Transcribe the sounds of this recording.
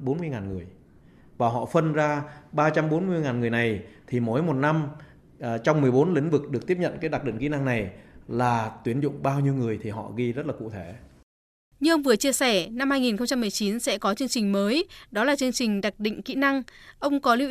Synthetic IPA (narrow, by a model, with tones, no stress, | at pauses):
ɓo˨˦nmɨ˧əjŋaː˨˩nŋɨ˨˩əj | vaː˨˩ɦɔ̰˧˨fə˧nzaː˧ɓaː˧t͡ɕa˧mɓo˨˦nmɨ˧əjŋaː˨˩nŋɨ˨˩əjna˨˩jt̪ʰi˨˩mo˨˦jmo˨˩t̚na˧m | t͡ɕɔ˧wŋ͡mmɨ˨˩əjɓo˨˦nlḭ̈˧˥ŋ̟vɨ˨˩k̚ɗɨ˨˩ək̚t̪i˦˥əpɲə̰˧˨nkaː˨˦jɗa˨˩ɗḭ˧˨ŋkḭ˧˥na˧ŋna˨˩jlaː˨˩t̪wi˨˦ənzʊ̰˧˨ŋ͡mɓaː˧wɲi˧əwŋɨ˨˩əjt̪ʰi˨˩ɦɔ̰˧˨ɣi˧zə˦˥t̚laː˨˩kṵ˧˨t̪ʰe˧˩ | ɲɨ˧ʔə˧wŋ͡mvɨ˨˩ət͡ɕi˧əsɛ˧˩na˧mhaː˧jŋi˨˩nxə˧ŋ͡mt͡ɕa˧mːɨ˨˩əjt͡ɕi˨˦nsɛ̰˧˥kɔ˨˦t͡ɕɨ˧əŋt͡ɕï˨˩ŋ̟məː˨˦jɗɔ˨˦laː˨˩t͡ɕɨ˧əŋt͡ɕï˨˩ŋ̟ɗa˨˩k̚ɗḭ̈˧˨ŋ̟kḭ˧˥na˧ŋʔə˧wŋ͡mkɔ˨˦lḭ˧˥